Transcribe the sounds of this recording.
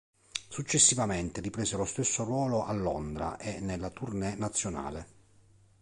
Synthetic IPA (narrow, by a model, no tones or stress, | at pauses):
sut͡ʃːesːivament̪eripɾeːselost̪esːorwɔːloʔalːɔ̰nd̪ɾa̰ʔenːelːat̪urnenat̪sːjona̰ːle